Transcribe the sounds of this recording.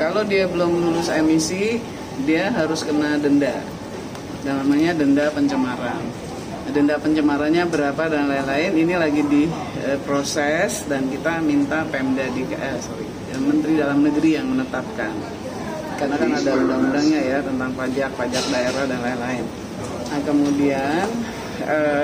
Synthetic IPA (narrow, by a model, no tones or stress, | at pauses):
kalodiabəlʊmlulʊsemisi | diaɦaɾʊskənadənda | danamaɲadəndapəɲt͡ʃəmaɾan | dəndapəɲt͡ʃəmaɾanɲabəɾapadanlainlaɪninilaɡidi | əpɾosɛsdankit̪amint̪apɛmdadekaʔɛsoɾḭ | amənt̪ɾidalamnəɡəɾijaŋmənət̪ap̚kan | kanakanadaundaŋundaŋɲajat̪ənt̪aŋpad͡ʒak̚pad͡ʒak̚daeɾahdanlainlaɪn | kəmudian | ə